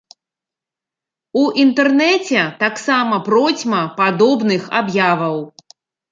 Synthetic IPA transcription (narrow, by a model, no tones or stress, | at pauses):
uʔint̪ɛrnɛt͡sʲɛt̪aksamɐpɾɔt͡sʲmɐpad̪ɔbnɨxa̰bjavɐw